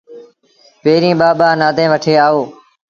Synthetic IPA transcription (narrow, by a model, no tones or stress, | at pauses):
peːɾĩːɓaːɓaːnaːd̪ʱẽːʋəʈʰeːaːoː